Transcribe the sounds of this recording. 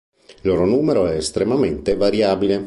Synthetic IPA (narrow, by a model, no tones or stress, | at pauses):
ilːoːɾonuːmeɾoɛːst̪ɾemament̪evaɾjaːbile